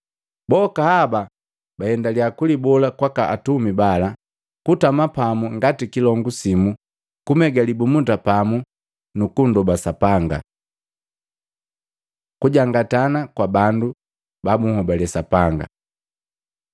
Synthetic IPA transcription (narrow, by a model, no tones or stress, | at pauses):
bɔkahaba | bahɛndaliakulibɔlakwakaʔːtumibala | kutamapamuŋɡatikilɔŋɡusimu | kumɛɡalibumutapamu | nukundɔbasapaŋɡa̰ | kuɟaŋɡatanakwabandu | bamuŋ̩hɔbalɛsapaŋɡa̰